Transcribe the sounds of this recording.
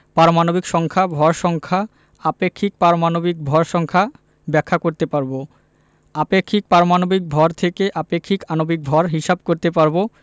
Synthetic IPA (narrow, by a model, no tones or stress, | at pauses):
paɾomanobikʃɔŋkʰabʱɔɾʃɔŋkʰa | apekʰːik̚paɾomanobik̚bʱɔɾʃɔŋkʰa | bɛkʰːakoɾt̪epaɾbo | apekʰːik̚paɾomanobik̚bʱɔɾt̪ʰekeʔapekʰːikanobik̚bʱɔɾɦiʃab̚koɾt̪epaɾbo